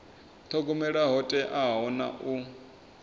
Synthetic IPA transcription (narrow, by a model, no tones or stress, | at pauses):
t̪ʰɔɡɔmɛɺaɦɔtʼɛʔaɦɦɔna̰ʔu